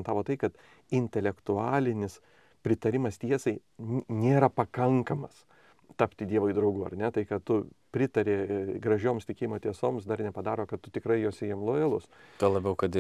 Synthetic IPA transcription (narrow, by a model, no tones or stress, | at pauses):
nt̪ɑːʋoːt̪ɐɪkɐt̪ | ɪnʲt̪ʲɛlʲɛkt̪ʊɑːlʲɪnʲɪs | pʲɾʲɪt̪ɐɾʲɪmɐst̪ʲiɛsɐɪnʲeːɾɐpɐkɐŋkɐmɐs | t̪ɐpʲt̪ʲɪd̪ʲiɛʋoɪd̪ɾɐʊɡʊːɐ̰ɾnʲɛt̪ɐɪkɐt̪t̪ʊpʲɾʲɪt̪ɐɾʲeɡɾɐʒʲoːmst̪ʲɪkʲeːjimoːt̪ʲiɛsoːmsd̪ɐrnʲɛpɐd̪ɑːɾoːkɐt̪tʊt̪ʲɪkɾɐɪjoːsʲejɪmlˠoelˠʊst̪ɐlˠɐbʲɛʊkɐt̪ɪ